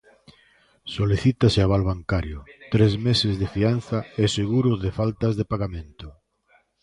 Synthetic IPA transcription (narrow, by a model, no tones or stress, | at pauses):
soliθit̪asɪaβalβaŋkaɾjʊt̪ɾezmesɪzðɪfianθɐeseɣuɾʊðɪfalt̪ɐzðɪpaɣamẽnt̪ʊ